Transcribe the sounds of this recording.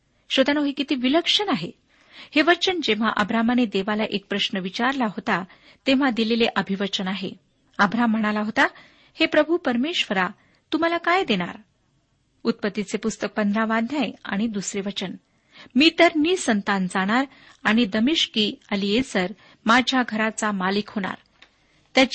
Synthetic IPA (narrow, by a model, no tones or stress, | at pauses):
ɕəd̪anoɦikit̪iːʋiləkʂənaɦḛ | heʋət͡ɕənd͡ʑeʋ̤aʔəbɾamaned̪eʋalaʔek̚pɾəɕnəʋit͡ɕaɾlaɦot̪a | t̪eʋ̤ad̪ileleʔəbʱiʋət͡ɕənaɦḛ | əbɾam̤ːəɽ̃alaɦot̪a | hepɾəbʱupəɾmeɕʋəɾa | t̪um̤alakajd̪eɽ̃a̰ɾ | ut̪̚pət̪ːit͡sepust̪ək̚pənd̪ʱɾaʋad̪ʱjaja̰ɽ̃id̪usɾeʋət͡ɕən | miːt̪əɾniːsənt̪and͡zaɽ̃aɾ | aɽ̃id̪əmiɕkiːəlijesəɾ | mad͡ʑʱjaɡʱəɾat͡samalikɦoɽ̃a̰ɾ | t̪ja